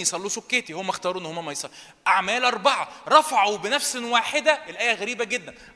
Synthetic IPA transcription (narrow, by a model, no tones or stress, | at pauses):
jesˤɑlːuːsokːeːt̪ihomːæxt̪ɑːɾuːʔenːhomːæmːæjesˤɑlː | ʔaʕmæːlʔɑɾˤbɑʕɑɾˤɑfɑʕobenæfswaːħed̪æʔelʔæːjæɣæɾiːbæɡed̪ːæn